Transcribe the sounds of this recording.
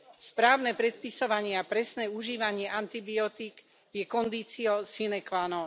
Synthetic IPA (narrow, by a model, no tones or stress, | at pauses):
spɾaːʊnɛpɾɛt̪̚pisɔʋaɲɪɛapɾɛsnɛuʒiːʋaɲɪɛʔant̪ibiɔt̪iɡ | jɛkɔnd̪iːt͡siɔʊsinɛkʋanɔ